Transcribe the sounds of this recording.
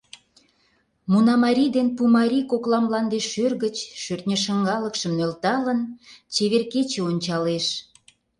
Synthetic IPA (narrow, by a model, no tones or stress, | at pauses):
munɑmɑɾʲid̪enpumɑɾʲikoklɑmlɑnd̪eʃːørɣət͡ɕʃørt̪nʲəʃə̆ŋɡɑləkʃəmnølt̪ɑlənt͡ɕeβerket͡ɕeonʲt͡ɕɑleʃ